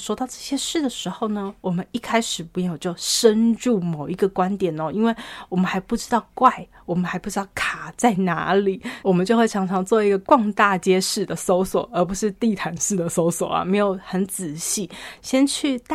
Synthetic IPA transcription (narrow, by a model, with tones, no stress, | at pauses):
ʂwɔ˥t̪ɑ˥˧ʊʈ͡ʂɤ˥˩ɕjɛ˥ʂɻ̩˥˩d̪ə˩ʂɻ̩˧˥xo˥˩ʊnə˩wɔ˨˩mə˦ni˥˩kʰa˥ɪʂɻ̩˨˩pu˧˥jo˨˩t͡ɕjo˥˩ʊʂə˦nʈ͡ʂu˥˩mo˨˩ʊi˧˥ɡə˧kwa˦nt̪jɛ˨˩nɔ˦i˥nwe˥˩ɪwɔ˨˩mə˦nxa˧˥ɪpu˥˩ʈ͡ʂɻ̩˥t̪ɑ˥˩ʊkwa˥˩ɪ | wɔ˨˩mə˦nxa˧˥ɪpu˥˩ʈ͡ʂɻ̩˥˦t̪ɑ˥˩kʰa˨˩t͡sa˥˩ɪna̰˧˥li˨˩˦wɔ˨˩mə˦nt͡ɕjo˥˧ʊxwe˥˩ɪʈ͡ʂʰɑ˧˥ŋʈ͡ʂʰɑ˧˥ŋt͡swɔ˥˩i˧˥ɡə˧kwɑ˥˧ŋt̪a˥˧t͡ɕjɛ˥ʂɻ̩˥˩d̪ə˩so˥ʊswɔ˨˩ə˞˧˥pu˧˥ʂɻ̩˥˧t̪i˥˨t̪ʰa˧˥nʂɻ̩˥˩d̪ə˩so˥ʊswɔ˨˩ɐ̰˦me˧˥ɪjo˨˩ʊxə˧˦˥nt͡sɹ̩˨˩ɕi˥˩ɕjɛ˥nt͡ɕʰy˥˩t̪